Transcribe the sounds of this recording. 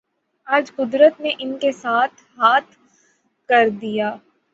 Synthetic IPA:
aːd͡ʒqʊd̪ɾət̪neʔɪnkesaːt̪ʰɦaːt̪ʰ | kɐɾd̪ijaː

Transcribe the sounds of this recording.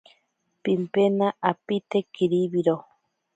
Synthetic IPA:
pimpenaʔapit̪ekiɾiβiɾo

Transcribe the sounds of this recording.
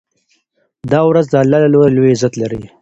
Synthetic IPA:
d̪ɑwɾazd̪alalaloɾalojezat̪laɾi

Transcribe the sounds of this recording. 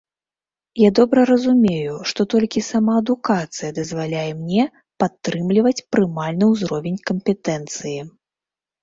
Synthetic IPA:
jad̪ɔbɾɐɾɐzumʲejuʂt̪ɔt̪ɔlʲkʲisamaɐd̪ukat̪sɨjɐd̪ɐzvalʲajɛmnʲɛ | pat̪ːɾɨmlʲivɐt͡sʲpɾɨmalʲnɨwzɾɔvʲenʲkɐmpʲɛt̪ɛnt̪sɨji

